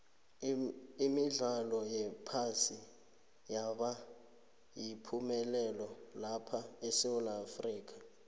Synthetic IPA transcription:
imiɮalɔjɛpʰasi | jaɓa | jipʰumɛlɛlɔlapʰaɛsɛwulaːfriːk̬ʰʼḁ

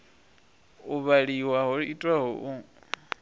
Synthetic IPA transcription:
uβaɺiwaɦoɺiitʼwaɦɔʔu

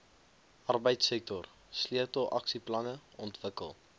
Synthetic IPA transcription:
ʔɐrbəjtsɛk̚tɔr | sliətɔlˠʔɐksiplɐnəɔntvəkə̰lˠ

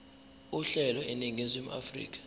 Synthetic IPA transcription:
uɬɛlɔɛniŋezimʔa̰frḭːk̬ʰʼḁ

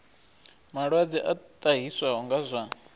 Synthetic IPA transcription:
maɺwad͡ziʔat̪ʼaɦiswaɦɔŋɡazʷa

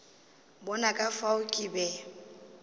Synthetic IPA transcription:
bɔnakʼafaʊkʼibɛ

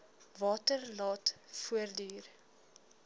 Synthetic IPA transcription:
vɑːtərlɑːtfuərdiːr

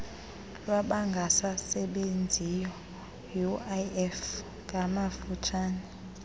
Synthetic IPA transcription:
lwaɓaŋɡʱasasɛɓend͡zʱijɔ | juaɛf | kʼamafutʰaːnɛ

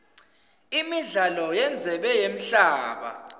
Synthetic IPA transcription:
imiɮalɔjɛnd͡zʱɛɓɛjem̩ɬaːɓa̰

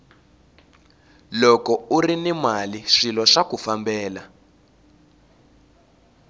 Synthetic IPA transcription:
lɔkɔurinimaliʂilɔʂakufambɛːla

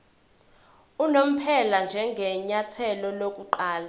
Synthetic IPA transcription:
unom̩pʰɛland͡ʒʱɛŋɡʱɛɲatʰɛlɔlok̬ʼuǃaːla

